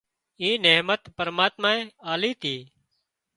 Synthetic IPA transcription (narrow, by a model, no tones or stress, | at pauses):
iːneːmət̪pəɾmaːt̪maːẽːaːliːt̪ʰiː